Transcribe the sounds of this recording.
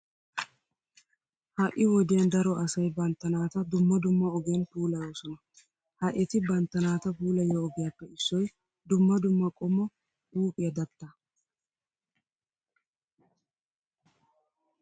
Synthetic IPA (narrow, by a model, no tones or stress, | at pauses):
hɐʔɪwɔd̪ɪjɐnd̪ɐɾɔʔɐsɐjbɐnt̪ːɐnaːt̪ɐd̪ʊmːɐd̪ʊmːɐɔɡɛnpuːlɐjo̞ːsɔnɐ | hɐʔɛt̪ɪbɐnt̪ːɐnaːt̪ɐpuːlɐjɔːɡɪjapːɛɪsːɔj | d̪ʊmːɐd̪ʊmːɐkʼɔmːɔ | uːpʼɪjɐd̪ɐt̪ːɐ